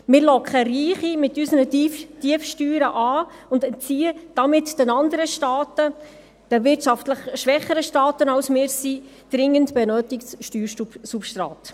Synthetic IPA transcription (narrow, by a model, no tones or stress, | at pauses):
mɪɾlɔkχəriːχimɪtːysənətiəfʃtyːɾəʔɑː | ʊndɛnt͡siːəd̥ɑmɪtd̥ɛnɑndəɾəʃtɑːtə | d̥əvɪtʃɑftləχʃʋɛχəɾəʃtɑːtənɑwsmɪːɾsi | d̥ɾɪŋːəntbɛnøːtɪktsʃtyːɾusupʃtɾɑ̰ːt